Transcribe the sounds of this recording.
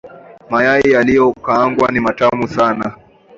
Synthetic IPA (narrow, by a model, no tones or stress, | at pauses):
majaijalijɔkaaŋɡwanimatamusana